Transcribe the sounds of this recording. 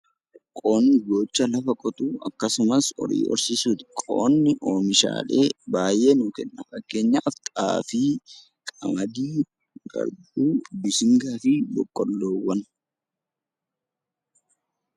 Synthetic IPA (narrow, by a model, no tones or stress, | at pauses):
kʼoːnːɪɡo̞ːt͡ʃːɐlɐfɐkʼɔt̪uːɐkːɐsʊmɐsɔ̰ɾḭːʔɔ̰ɾsɪsuːt̪kʼo̰ːnːɪʔoːmɪʃa̰ːle̞ːbaːjʔe̞ːnuːkɛnːɐfɐkːe̞ːɲːaʔɐft̪ʼa̰ːfiː | kʼɐmɐd̪iː | ɡɐ̰ɾduːbɪsɪŋɡaːfɪbɔkʼːɔlːoːwːɐn